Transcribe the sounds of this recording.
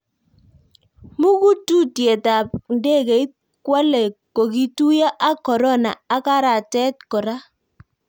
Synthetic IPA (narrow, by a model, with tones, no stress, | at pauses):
mu˦ku˦tu˦tje˨ta˨p̚nde˦˨ke˨i˦t̚ | kwa˦lɛ˨ko˨ki˦tu˦ja˦ʔa˦kɔ˨ɾɔ˦na̰ː˨˦ka˦ɾa˨tɛ˦t̚kɔ˨ɾa˦